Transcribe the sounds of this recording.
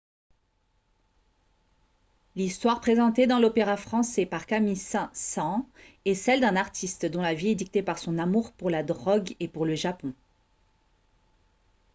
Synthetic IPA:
list̪waʁpχezɑ̃t̪ed̪ɑ̃lopeʁafχɑ̃sɛpaʁkamisɛ̃sɑ̃ | ɛsɛld̪ɛ̃naʁt̪ʰist̪d̪ɔ̃laviɛd̪ik̚t̪epaʁsɔ̃namuʁpuʁlad̪ʁɔɡepuʁləʒapɔ̃

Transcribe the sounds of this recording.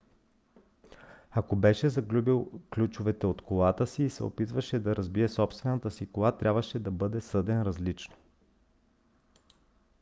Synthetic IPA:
akobɛʃɛzɐɡlʲubilˠklʲut͡ʃʊvɛt̪ɛot̪kolˠat̪əsiːsɛ̰o̰pit̪vəʃɛd̪ɐɾʔɐzbiɛsɔpst̪vɛnət̪əsikoat̪ɾʲʔabvəʃɛd̪ɐbɤd̪ɛsɤd̪ɛnɾɐzlit͡ʃno

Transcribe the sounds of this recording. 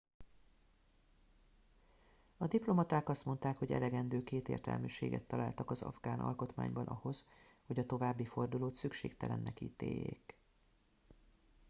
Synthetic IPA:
ɒd̪iplo̞mɒt̪aːkɒst̪mo̞nt̪aːkho̞ɟɛ̰lɛɡɛnd̪øːkeːt̪eːrt̪ɛ̰lmyːʃḛːɡɛ̰t̪ːɒlaːlt̪ɒkɒzɒ̰vɡaːnʔɒ̰lko̞t̪ma̰ːɲbɒnʔɒho̞zho̞ɟɒt̪o̞vaːbːifo̞rd̪uloːt̪sykʃeːkt̪ɛlɛnːɛkiːt̪eːjːḛːk

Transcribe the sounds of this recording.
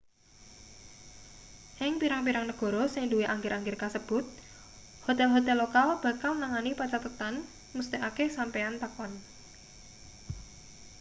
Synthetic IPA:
ʔɪŋpiɾaŋpiɾaŋnəɡ̥ɔ̤ɾɔsɪŋduwiʔaŋɡɪɾʔaŋɡɪrkasəb̥ʊt̪̚ | hot̪ɛlɦot̪ɛlːokalb̥ä̤kalmnaŋanipat͡ʃat̪ət̪an | must̪eʔakesampeant̪akɔn

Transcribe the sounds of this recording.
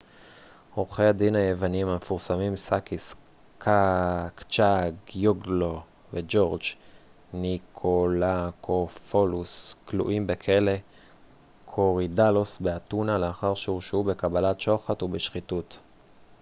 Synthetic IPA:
ʁoχead̪inajevanimamefuʁsamimsakis | kʰakt͡ʃaɡjoɡlo | ved͡ʒo̞ʁd͡ʒ | nikʰolakʰofolusklṵʔimbekʰe̞le̞ | kʰoʁidalosbeatunaleaχaʁʃeuʃube̞kabalatʃo̞χatubeʃχitut

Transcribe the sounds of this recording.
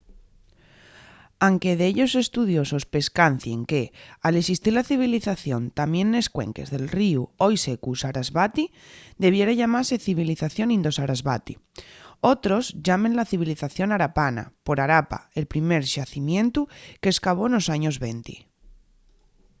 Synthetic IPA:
aŋke̞ð̞eeʎo̞se̞st̪uðjo̞so̞spe̞skan̟θje̞ŋke̞aleksist̪iɾlaθiβ̞iliθaθjo̞nt̪amjẽ̞nːe̞skwe̞̰ŋke̞̰zðe̞lriuojse̞kusaɾazβat̪id̪e̞β̞je̞ɾaʝamaɾse̞θiβiliθaθjo̞nĩnd̪o̞saɾazβat̪io̞t̪ɾo̞zʝamenlaθiβ̞iliθaθjo̞naɾapana̰po̞ɾaɾapa̰e̞lpɾime̞ɾʃaθimjẽ̞nt̪uke̞ːskaβ̞o̞no̞saɲo̞zβe̞nt̪ḭ

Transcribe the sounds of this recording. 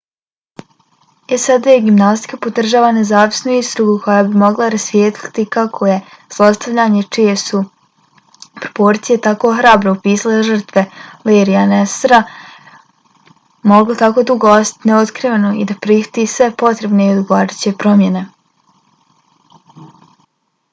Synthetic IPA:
esad̪ajeɡimnast̪i̥kapo̞d̪r̩ʒaːʋane̞zaːʋi̥snuist̪ɾuɡukʰo̞jabimo̞ɡlˠaɾasjeːt̪lʲi̥t̪ikakʰo̞je̞ | z̥lˠast̪aʋʎaːɲet͡ʃije̞su | pɾopo̞ɾt̪sije̞t̪ako̞ːxɾaːbɾoupiːsaleʒər̩t̪ʋe̞leːɾianest̪ɾa | mo̞ɡlot̪akod̪uɡoosḁt̪neod̪kɾiʋenoḭd̪apɾiht̪isʋe̞po̞t̪ɾe̞bneiod̪uɡoadit͡ɕe̞pɾo̞mje̞ne̞

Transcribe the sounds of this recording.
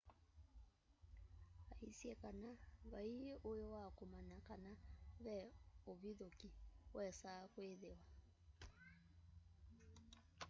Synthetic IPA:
aisjɛkanaβaiʔojowakomanakanaβɛoβiðokiwɛsakweðewa

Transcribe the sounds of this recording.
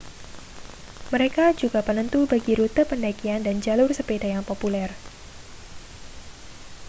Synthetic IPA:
məɾekad͡ʒuɡapənənt̪ubaɡiɾut̪əpəndaikiandand͡ʒalʊrsəpedajaŋpopulɛr

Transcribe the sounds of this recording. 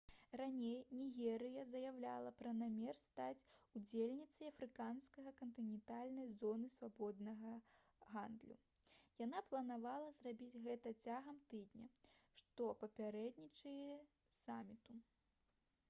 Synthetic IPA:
ranʲejnʲiɣʲɛɾɨjɐzɐjawlʲa̰lˠɐpɾɐnamʲɛrst̪at͡sʲud͡zʲelʲnʲit̪sɐjɐfɾɨkanskɐɣɐkɐnt̪ɨnʲɛnt̪alʲnɐjzɔnɨsvabɔd̪nɐɣɐ | ɣand̪lʲṵ | janaplˠɐnavalˠɐzrabʲid͡zʲɣɛt̪ɐt͡sʲaɣɐmt̪ɨd̪ʲnʲɐʂt̪ɔpɐpʲaɾɛd̪ʲnʲit͡ʂɐjɛ | samʲit̪u

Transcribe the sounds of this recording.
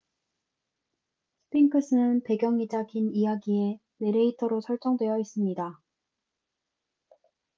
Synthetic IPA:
sʰɯ̥pʰiŋkʰɯs͈ʰɯnɯnpe̞ɡjʌŋid͡ʑaɡinijaɡie̞ | ne̞ɾeitʰʌɾosʰʌɭt͡ɕ͈ʌŋdwe̞jʌis͈ɯmɲida

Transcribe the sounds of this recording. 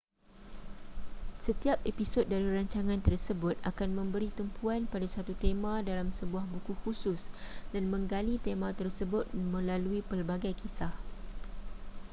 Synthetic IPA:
sət̪iap̚episot̪̚daɾiɾaɲt͡ʃaŋãnt̪ərsəbʊt̪̚ʔakanmə̃mbəɾit̪əmpʰuanpadasat̪ut̪emãdalamsəbuahbukuhusʊsdanmə̃ŋɡalit̪emãt̪ərsəbʊt̪̚mə̃laluipərbaɡajkʰisah

